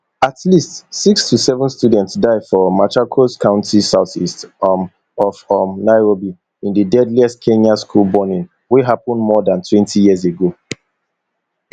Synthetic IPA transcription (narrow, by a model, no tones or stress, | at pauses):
atʰlistsikstʰusɛvə̃nstudɛ̃ntsdaɪdfɔmatʰɹakʰoskʰãʊ̃ntʰisaʊθist | ɔfɔmnaɪɹobi | ĩndədɛdliɛst̚kʰẽnjaskʰulˠbɔnĩn | wiɦapə̃ndmɔdãntʰwɛ̃ntʰijiəz̬eɡo